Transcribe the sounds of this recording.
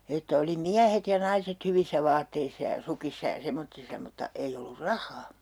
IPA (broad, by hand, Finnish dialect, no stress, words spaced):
etːæ oli miæhet jɑ nɑiset hyʋisːæ ʋɑːtːeisːɑ jɑ sukisːɑ jɑ semotːisːɑ mutːɑ ei olːur rɑhˑɑː